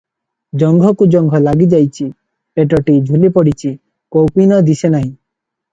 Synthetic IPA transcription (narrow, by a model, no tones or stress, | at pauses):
d͡ʒɔŋɡʱɔkud͡ʒɔŋɡʱɔlaɡid͡ʒajt͡ʃʰi | peʈ̬ɔʈid͡ʒʱulipɔɽit͡ʃʰi | kowpinɔd̪isenaɦĩ